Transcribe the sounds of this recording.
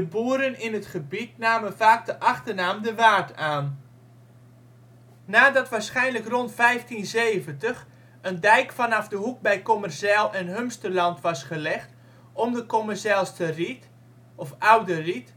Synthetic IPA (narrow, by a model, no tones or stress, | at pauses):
dəbuːəɾənɪnətχəbit̚naːmənvaːk̚dəʔɑχtəɹnaːmdəʋaːrtʰaːn | aːdɑtʋaːɹsχɛjnləkrɔntfɛjftinzeːvəntəχ | əndɛjkfɑnɑfdəɦuk̚bɛjkɔmərsɛlˠɛnɦømstərlɑntʋɑsχəlɛχt | ɔmdəkɔməɹsɛlˠstərit | ɔfawdərit